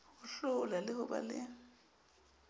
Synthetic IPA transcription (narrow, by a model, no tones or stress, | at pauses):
hʊɬʊlalɪhʊba̰lɪ̰ŋ̩